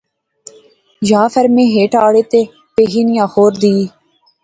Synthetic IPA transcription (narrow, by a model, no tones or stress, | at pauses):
d͡ʒaːfəɾmẽːɦeːʈaːɽeːt̪eː | peːɦiːnɪjãːxoːɾd̪iː